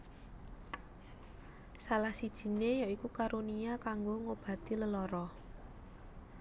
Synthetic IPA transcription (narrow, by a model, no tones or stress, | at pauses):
salahsid̥ʒ̥i̤nejaikukaɾuniakaŋɡoŋob̥ä̤t̪iləlɔɾɔ